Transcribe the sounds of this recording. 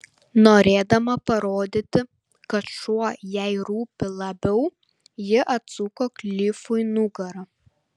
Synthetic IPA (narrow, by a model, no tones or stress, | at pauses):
noːɾʲeːd̪ɐmɐpɐɾoːd̪ʲɪt̪ʲɪ | kɐt̪ʃuɔjɛɪɾuːpʲɪlˠɐbʲɛʊ | jɪʔɐt̪sukoːklʲiːfʊɪnʊɡɐɾɐ